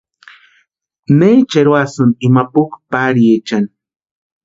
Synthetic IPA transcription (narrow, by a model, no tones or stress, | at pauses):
net͡ʃeɾwasʊnimapʊkpaɾjet͡ʃan